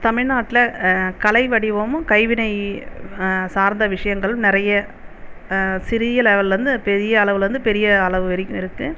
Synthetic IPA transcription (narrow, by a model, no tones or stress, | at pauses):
t̪ɐmɪɻnaːʈːɪlɐkɐlɐɪʋɐɽɪʋoːmɯkɐɪʋɪnɐɪ | saːɾnd̪ɐʋɪʂɐjɐŋɡɐɭɯmnɪɾɐjɐ | sɪɾɪðɪjɐlɛʋɐlɾɯnd̪ɯpɛɾɪjɐːɭɐʋɯlɾɯnd̪ɯpɛɾɪjɐːɐɭɐʋɯɛɾɪkːɯ̃mɪɾɯkːɯ